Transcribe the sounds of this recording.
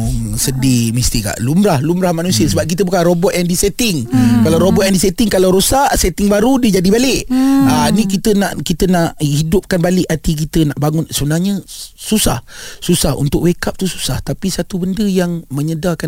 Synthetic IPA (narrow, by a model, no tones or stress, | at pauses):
sədimist̪ika̰ʔlumɾahlumɾahmanusiəsəbap̚k̬it̪əbukanrobɔt̪̚andisɛt̪ɪŋkalawɾobɔt̪̚ɛndisɛt̪ɪŋkalawɾosaʔsɛt̪ɪŋbaɾudiəd͡ʒadibalɪʔanĩkit̪ənaʔkit̪ənaʔhidʊp̚kanbalɪʔat̪ik̬it̪ənaʔbaŋʊnsəbənaɲəsusahsusahṵnt̪ʊkwekap̚t̪usu̥saht̪apisat̪ubəndəjaŋməɲədaka